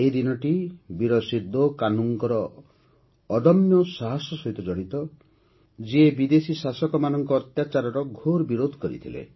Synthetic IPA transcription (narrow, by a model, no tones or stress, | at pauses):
ed̪inɔʈibiɾɔsid̪okanuŋkɔɾɔː | d̪ɔmjɔsaɦasjɔsɔɦit̪ɔd͡ʒɔɽ̃it̪ɔ | d͡ʒiebid̪esisasɔkɔmanɔŋkɔːt̪jat͡ʃaɾɔɾɔɡʱoɾbiɾod̪ʱkɔɾḭt̪ʰilḛ